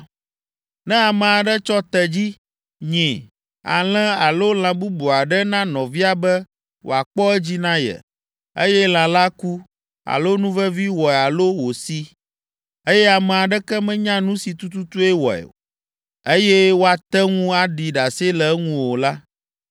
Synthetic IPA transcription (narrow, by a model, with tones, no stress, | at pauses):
nɛ̃˦a˨mɛ̃˨a˨ɖɛ˦t͡ʃɔ˦t̪ɛ˨d͡ʑi˦ | ɲɛ̃˨ | a̰˨l̃ɛ̃˦a˨lo˦l̃ã˨bu˦bu˨a˨ɖɛ˦nã˦nɔ̃˨vi˦a˨bɛ˦ | wʔo̰˨a˨k͡pɔ˦ɛ˦d͡ʑi˦nã˦jɛ̰˨ | e˦jɛ˦l̃ã˨la˦ku˦ | a̰˨lo˦nũ˦vɛ˦vi˦wɔ˨ɛ˨a˨lo˦wo˨si˦ | e˦jɛ˦a˨mɛ̃˨a˨ɖɛ˦kɛ˦mɛ̃˦ɲã˦nũ˦si˨t̪u˦t̪u˦t̪u˦ɛ˦wɔ˨ɛ̰˨o˨ | e˦jɛ˦wo˦a˨t̪ɛ˦ŋũ˦a˨ɖi˨ɖa˨se˦lɛ˨˦ŋũ˦wo˨la˦